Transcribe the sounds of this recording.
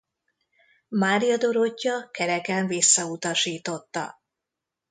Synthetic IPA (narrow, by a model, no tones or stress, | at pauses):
maːɾijɒd̪o̞ɾo̞cːɒkɛɾɛkɛɱvisːɒut̪ɒʃiːt̪o̞t̪ːɒ̰